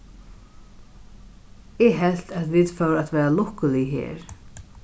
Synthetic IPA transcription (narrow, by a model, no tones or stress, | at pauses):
ɛɦɛlt̪at̪viðfœwɾat̪vɛːɾalɔhkʊliɦḛːɾ